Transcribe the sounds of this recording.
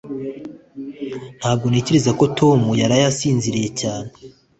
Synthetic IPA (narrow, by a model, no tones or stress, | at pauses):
n̥haːb̚ɡo̞neceɾe̞zako̞tʰo̞mujaɾajasiːnziɾije̞caːne̥